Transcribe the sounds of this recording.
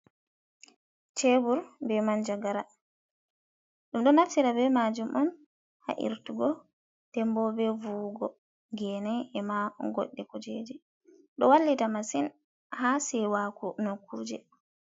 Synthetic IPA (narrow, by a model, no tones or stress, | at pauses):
t͡ʃebuɾbɛmand͡ʒaɡaɾa | ɗumɗɔnaftiɾabɛmad͡ʒumʔɔn | ha̰ʔḭɾtuɡɔ | tɛmbɔbɛvuːɡɔ | ɡɛnɛɛmaɡo̰ɗːikɔd͡ʒed͡ʒɛ | ɗɔwalːitamasin | hasɛwakunokːuɾd͡ʒɛ̰